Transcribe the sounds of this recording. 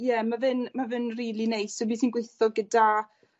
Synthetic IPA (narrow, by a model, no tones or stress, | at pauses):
jɛmavɨnmavɨnriːlˠinejsɔbiːsiːnɡwejθɔɡəda